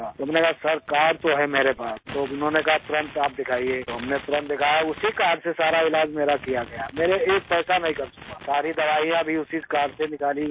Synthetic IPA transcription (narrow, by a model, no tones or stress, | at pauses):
aoɦɐmnekaɦasɐɾkaːɾt̪oɦɛmeːɾepaːst̪oʊnɦõnekɐɦat̪ʊɾə̃nt̪aːp̚d̪ɪkʰaːiet̪oɦɐmnet̪ʊɾə̃nt̪d̪ɪkʰaːjʊsikaːɖsesaːɾaɪlaːd͡ʒmeːɾakijaɡɐjameːɾeeːk̚pɛːsanɐɦĩkɐɾsʊ̥kasaːɾid̪ɐʋaːijãbʱiʊsikaːɖsenɪkaːli